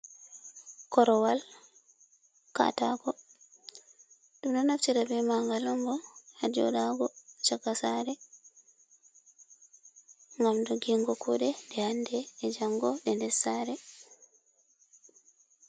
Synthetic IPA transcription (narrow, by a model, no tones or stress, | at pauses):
kɔɾɔwal | ka̰taɡɔ | ɗumɗɔnaft͡ʃiɾabɛmaŋɡalɔŋɡɔhad͡ʒɔ̰ɗaɡɔt͡ʃaɡasaːɾɛ | ŋɡamdɔɡiŋɡɔkʰuɗɛndɛhandɛːd͡ʒaŋɡɔɗɛndɛsaːɾɛ